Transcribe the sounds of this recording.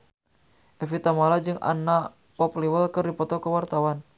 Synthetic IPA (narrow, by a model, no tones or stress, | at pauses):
ʔɛfit̪amalad͡ʒɨŋʔa̰na | pɔpliwəlkɨrdipɔt̪ɔkəwart̪awan